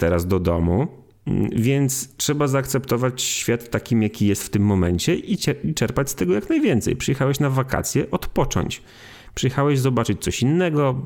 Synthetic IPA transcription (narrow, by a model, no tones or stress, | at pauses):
t̪ɛɾazd̪ɔd̪ɔ̰mu | vʲjɛnt̪stʂɛbazaːkt̪sɛpt̪ɔvat͡ɕɕfʲjat̪ːakʲimjakʲijɛst̪ft̪ɘmːɔmɛɲt͡ɕɛʔit͡ɕɛit͡ʂɛɾpat͡ɕʲst̪ɛɡɔjaknajvʲjɛnt̪sɛ̰jpʂɨjɛxawɛɕnavakʰa̰t̪sʲjɛʔɔt̪pɔt͡ʂɔ̰ɲt͡ɕ | pʂɨjɛxawɛʑzɔbat͡ʂɘt͡ɕ̚t̪sɔɕinːɛɡɔ